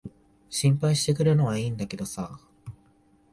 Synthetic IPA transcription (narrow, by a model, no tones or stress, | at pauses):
ɕĩmpaiɕi̥t̪e̞kɯ̟ɾɯno̞βaiːnd̪ake̞d̪o̞saː